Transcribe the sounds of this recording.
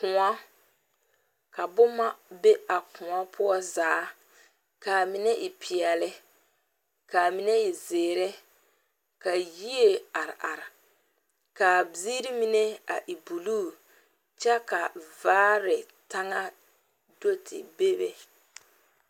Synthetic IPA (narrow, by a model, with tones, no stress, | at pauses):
kʊ̃˨a˦ | ka˨bʊ˦ma˦be˦a˨kʊ̃˨a˦pʰʊ˦ɔ˦zaː˨˦ | ka˨mɪ˨nɛ˦ʔɪ˨pʰi˨ɛ˨lɪ˦ | ka˨mi˨nɛ˦ɪ˨zeː˨ɾɛ˦ | ka˨ji˦e˦a˨ɾɪ˨ʔa˨ɾɪ˨ | ka˨bi˦ɾi˦mi˦ne˦a̰˨ʔi˨bu˨luː˦˨ | t͡ʃɛ˦ka˨vaː˦ɾɪ˨ | ta˦ŋa˦ | do˦tʰɪ̰˨be˦bḛ˨